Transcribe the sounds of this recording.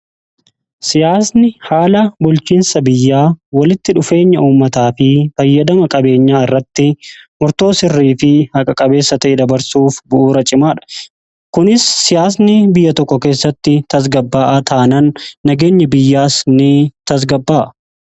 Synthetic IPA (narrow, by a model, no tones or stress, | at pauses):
sɪjaːsnɪhaːlɐbʊlt͡ʃiːnsɐbɪjːaːwɐlɪt̪ːɪᶑʊfe̞ːɲːɐʔuːmːɐt̪aːfɪfɐjːɐd̪ɐmɐkʼɐbe̞ːɲːaːɪrːɐt̪ːɪmʊɾt̪o̞ːsɪrːiːfɪhɐkʼɐkʼɐbe̞ːsːɐt̪ɐʔɛd̪ɐbɐɾsuːfbʊʔuːɾɐt͡ʃʼɪmaːᶑɐ̥ | kʊnɪsːɪjaːsnɪbɪjːɐt̪ɔkːɔke̞ːsːɐt̪ːɪt̪ɐs̬ɡɐbːaːʔɐt̪ʰaːnɐnːɐɡe̞ːɲːɐbɪjːaːsnɪt̪ɐs̬ɡɐbːaːʔɐ